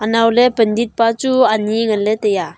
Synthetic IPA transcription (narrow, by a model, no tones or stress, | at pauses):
ʔanawlɛpəndit̪̚pat͡ʃuaniŋanlɛt̪eja